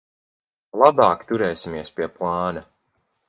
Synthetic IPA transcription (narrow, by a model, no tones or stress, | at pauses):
lˠabaːkt̪uɾɛːsimiɛspiɛplˠɑːnɐ